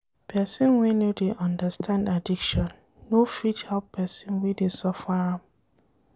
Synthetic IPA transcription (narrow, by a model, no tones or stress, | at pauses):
pʰɛsĩnwinodeʔɔ̃ndəstʰãndadikʃɔ̃nː | ofithɛlppɛsĩnwidesɔfaɹãm